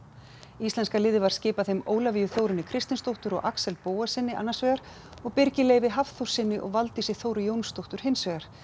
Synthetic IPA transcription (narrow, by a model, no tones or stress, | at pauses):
ist̪ɛnskalɪːðɪvaɾ̥scɪːpaθejmoːwlaviːjʏθowɾɪnːɪkʰɾɪst̪ɪnst̪owht̪ʏɾɔ̰ɣʔaksɛlpoːwasɪnːɪʔa̰nːasvɛːɣaɾ̥ | ɔɣpɪɾcɪleːjvɪɦafθow̥sɪnːɪʔɔ̰ɣvalt̪ɪsɪɣθoːwɾʏjoːwnst̪owht̪ʏɾ̥hɪnsvɛːɣaɾ̥